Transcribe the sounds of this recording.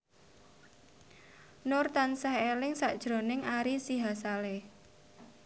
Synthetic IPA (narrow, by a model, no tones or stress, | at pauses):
nʊrt̪ansahelɪŋsaʔd̥ʒ̥ɾo̤nɪŋaɾisiɦasaleh